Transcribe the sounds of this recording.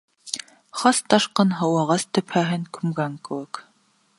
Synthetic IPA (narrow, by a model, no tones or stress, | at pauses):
χɑst̪ɑʃqɤnɦɑwɑʁɑst̪ɘ̆pʰæɦɘŋkʉmɡæŋkɘ̆wɘk